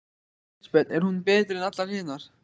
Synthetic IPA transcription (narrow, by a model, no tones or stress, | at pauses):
spɛt̪ɛɾ̥hunpɛːt̪ɾɛnat̪laɾ̥hɪːnaɾ̥